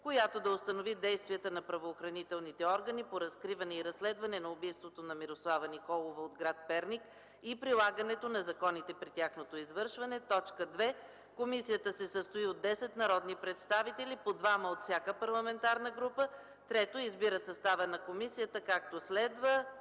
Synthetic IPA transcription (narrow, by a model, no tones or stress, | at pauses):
kojat̪od̪ɐost̪ɐnovid̪ɛjst̪viət̪ənɐpɾɐvoːxɾɐnit̪ɛlˠnit̪ɛɔɾɡənipoɾɐskɾivɐnɛiɾɐsːlɛd̪vɐnɛnɐʊbijst̪vot̪onɐmiɾoslˠavənikɔlˠovəod̪ɡɾat̪̚pɛɾnik | ipɾilˠaɡənɛt̪onɐzɐkɔnit̪ɛpɾit̪ʲjaxnot̪oizvɤɾʃvɐnɛt̪ɔt͡ʃkəd̪vɛ | komisijət̪əsɛsəst̪oiod̪ːɛsɛt̪nɐɾɔd̪nipɾɛt̪st̪avit̪ɛlipod̪vaməot̪fsʲjakəpɐɾlˠɐmɛnt̪aɾnəɡɾupə | t̪ɾɛt̪oizbiɾəsɐst̪avənɐkomisijət̪əkak̚t̪oslɛd̪və